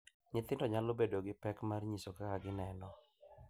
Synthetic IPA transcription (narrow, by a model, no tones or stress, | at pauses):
ɲɪt̪ɪndɔɲalobedoɡɪpɛkmarɲisokakaɡɪnɛnɔ